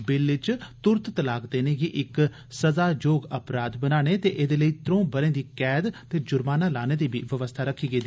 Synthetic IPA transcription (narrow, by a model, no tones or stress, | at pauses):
bɪlːɪt͡ʃt̪ʊɾt̪t̪əlaːkd̪eːneːɡiːʔɪk | səzaːd͡ʒoːɡəpɾaːd̪bənaːñeːt̪eːʔɪd̪eːləiːt̪ɾõːbəɾẽːd̪iːkɛːd̪t̪eːd͡ʒʊɾmaːnaːlaːneːd̪iːbiːʋəʋəst̪ʰaːɾəkʰiːɡeːd̪i